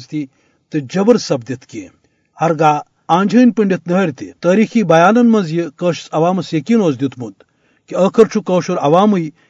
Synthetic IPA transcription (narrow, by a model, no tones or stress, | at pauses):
zt̪i | t̪ɨd͡ʒɐbɐɾsɐb̚d̪it̪kḛː | hɐɾɡaː | ãːnd͡ʒʱɐːnʲpɨɳɖʲit̪nɐɦɾʲt̪it̪əːɾiːxiːbɐjaːnɐnmɐnzjikəːʃi̥t͡sɐʋaːmɐsjɐkiːnoːzd̪jut̪mud̪ | kiəːkʰɐɾt͡ʃʰukəːʃuɾɐʋaːmɨj